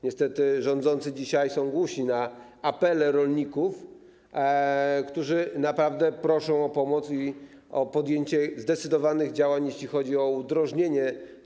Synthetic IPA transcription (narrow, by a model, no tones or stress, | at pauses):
ɲɛst̪ɛt̪ɘʐɔ̃nd̪zɔnt̪sɘd͡ʑiɕajsɔ̃w̃ɡwuɕina | apɛlɛɾɔlɲikuf | kt̪uʐɘnapɾavd̪ɛpɾɔʂɔ̃w̃ɔpɔmɔt̪si | ɔpɔd̪jeɲt͡ɕɛzd̪ɛt̪sɘd̪ɔvanɘɣd͡ʑawaɲjeɕlʲixɔd͡ʑiɔud̪ɾɔʐɲeɲɛ